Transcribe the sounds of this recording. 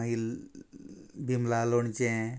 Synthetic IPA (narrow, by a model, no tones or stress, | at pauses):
il | bimlalont͡ʃẽ